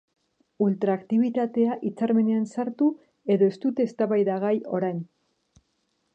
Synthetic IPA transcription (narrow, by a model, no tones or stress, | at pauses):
ult̪ɾaːkt̪iβ̞it̪at̪e̞aʔit͡saɾme̞ne̞ansaɾt̪u | e̞ðo̞e̞st̪ut̪e̞ːst̪aβajðaɣajo̞ɾajn